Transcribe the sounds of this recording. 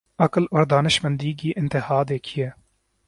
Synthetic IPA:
ɐkloɾd̪aːnɪʃmɐnd̪iːɡiːʔɪnt̪ɪhaːd̪eːkʰijeː

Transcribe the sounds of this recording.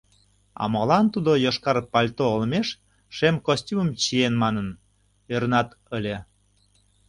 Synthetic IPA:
ɑ̰mɑlɑnt̪ud̪ojoʃkɑrpɑlʲt̪oːlmeʃ | ʃemkosʲtʲumə̆mt͡ɕienmɑnən | øɾənɑt̪ | əlʲe

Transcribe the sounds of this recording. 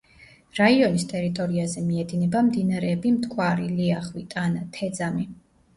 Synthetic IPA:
ɾaiɔnist̪ʼɛɾit̪ʼɔɾiazɛmiɛd̪inɛbamd̪inaɾɛːbimt̪ʰkʼʰwaɾiliaχwit̪ʼanat̪ʰɛd̪zami

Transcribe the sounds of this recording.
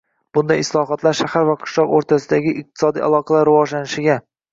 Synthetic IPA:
b̥ʊnd̪ajɪslˠɒɦɒt̪laɾʃahaɾvaqʰʊ̥ʃlˠɒqoɾt̪ʰasɪd̪aɡʲɪʔɪq̚t̪ʰɪ̥sɒd̪ḭʔa̰lˠɒqʰɑlaɾːɪvɒʒlanɪʃɪɡʲa

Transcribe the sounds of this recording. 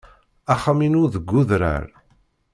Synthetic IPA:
aχaminʊɾðəɡʷːʊðɾə̰ɾ

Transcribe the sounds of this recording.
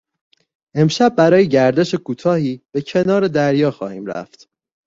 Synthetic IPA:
ʔe̞mʃæbːæɾɒːjeɟæɾd̪e̞ʃekʰuːt̪ʰɒːhiːb̥e̞cʰe̞nɒːɾe̞d̪æɾjɒːxɒ̰ːhiːmɾæ̰ft̪

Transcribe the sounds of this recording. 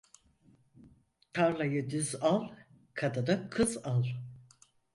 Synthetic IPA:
t̪ʰaɾlˠajɯd̪yzalˠ | kʰad̪ad̪akʰɯzalˠ

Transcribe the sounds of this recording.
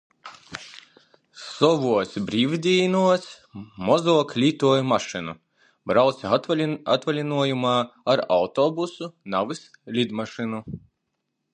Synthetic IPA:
sɔʋuɔsʲbɾʲiːvʲd̪ʲiːnuɔsʲ | mɔzɔɔklʲiːt̪uːjumaʃɨnu | bɾawt̪sʲa̰t̪valʲinuɔjumaːaɾawt̪ɔbusunaʋɨs | lʲid̪maʃɨnu

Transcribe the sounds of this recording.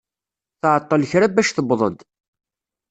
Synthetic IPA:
θʕət̪ˤːəlçɾæbæʃθəbðˤə̰d̪

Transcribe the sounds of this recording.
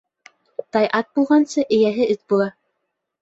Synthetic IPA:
t̪ɑjʔɑt̪̚bulˠʁɑnsɤʔɘ̆jæɦɘɘt̪̚bulˠɑ

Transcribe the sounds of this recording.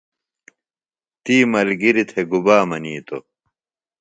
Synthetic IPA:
t̪iːmɐlɡiɾit̪ʰeɡubaːmɐniːt̪o̰

